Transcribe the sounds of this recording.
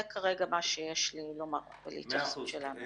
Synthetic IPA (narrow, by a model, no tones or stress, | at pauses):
ekʰaʁeɡamaʃejeʃlilomaʁvḛlḭit̪aχsuʃelanu